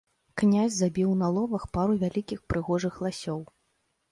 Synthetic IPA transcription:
knʲazʲzabʲiwnɐlˠɔvɐxpaɾuvʲalʲikʲixpɾɨɣɔʐɨxlˠasʲɔw

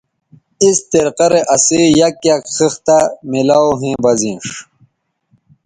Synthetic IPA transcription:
ist̪iɾqɐɾeʔɐsijɐkjakxixt̪amilaːwɦẽːbɐzĩːʂ

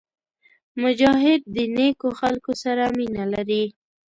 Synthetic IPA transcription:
mʊd͡ʒɑɦɪd̪̚ːənekoxalkosaɾaminalaɾi

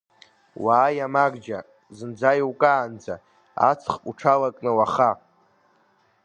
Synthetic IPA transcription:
waːjamaɡd͡ʒa | zɨnd͡zajwkʼaːnd͡za̰ | a̰t͡sʰχuʈ͡ʂʰalakʼnɨwaχa

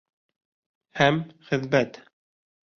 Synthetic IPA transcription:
hæmχɘ̆ðbæt̪

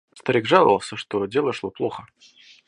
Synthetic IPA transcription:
st̪ɐɾʲiɡʐalˠə̰vəlˠsʲəʂt̪odʲelˠəʂlˠoplˠoxə

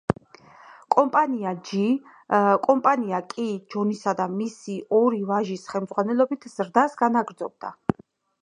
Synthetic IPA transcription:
kʼɔmpʼaniad͡ʒi | kʼɔmpʼaniakʼid͡ʒɔnisad̪amisiʔɔɾivaʒisχɛlˠmd̪zʁwanɛlˠɔbit̪ʰz̥ɾd̪asɡanaɡɾd̪zɔb̚d̪a̰

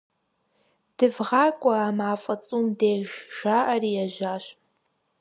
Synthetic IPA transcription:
d̥ɨvʁɑːkʷʼɔaːmaːfʼɐt͡sʼuːmdeːʒʒ̥aːʔɐrijɛʒaːɕ

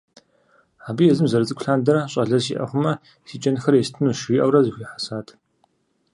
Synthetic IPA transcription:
aːbɨjɛzɨmzɐɾɨt͡sʼɨkʷʰʼɬaːndɐɾɐɕʼɐɮɐrsḭʔɐ̰χʷʊmɐ | sit͡ʃʼɐnɨxɐrjɛstʰɨnuːʃiʔɐwrɐzɨxʷiːħḁsaːtʰ

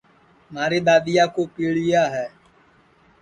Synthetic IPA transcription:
maːɾeːɗ̪aːɗ̪ɪjaːkoːpiːɽɪjaːɦɛː

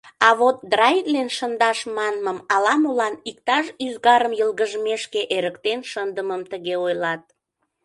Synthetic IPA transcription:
ɑβot̪̚d̪rɑjt̪lenʃənd̪ɑʃmɑnməmɑlɑmulɑnik̚t̪ɑʃyzɣɑɾəmjəlɣəʒəmeʃkeʔeɾəkt̪enʃənd̪əməmt̪əɣeojlɑt̪̚

